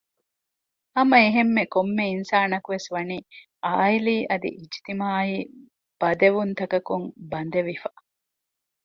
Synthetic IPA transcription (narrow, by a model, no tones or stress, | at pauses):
ɐmɐeɦemːekomːeinsaːnɐkuʋesʋɐniː | aːiliːʔɐd̪ḭʔid͡ʒt̪imaːiː | b̥ɐd̪eʋunt̪ɐkɐkumbɐnd̪eʋifa